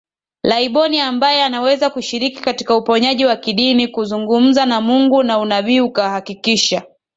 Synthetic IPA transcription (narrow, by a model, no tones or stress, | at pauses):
laiɓɔniambajɛanawɛzakuʃiɾiki̥kati̥kaupɔɲaʄiwakiɗinikuzuŋɡum̩zanamuŋɡunaunaviukahakikiʃa